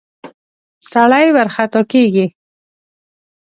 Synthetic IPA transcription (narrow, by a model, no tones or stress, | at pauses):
saɽajwaɾxat̪ɔkeɡi